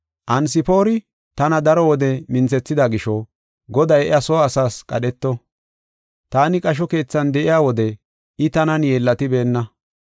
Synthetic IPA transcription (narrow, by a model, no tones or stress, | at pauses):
ʔɐns̬ɪpo̞ːɾɪ | t̪ɐnɐd̪ɐɾɔwɔd̪ɛmɪnt͡sɛt͡sːɪd̪aɡɪʃɔ | ɡɔd̪ɐjɛʔɪ̰jɐsɔːɐsaːskʼɐ̰ɗɛt̪ːɔ | t̪aːnɪkʼɐʃ̬ɔke̞ːt͡sːɐnd̪ɛʔɪjaːwɔd̪ɛ | ɪt̪ɐnɐnjeːlːɐt̪ɪbe̞ːnːɐ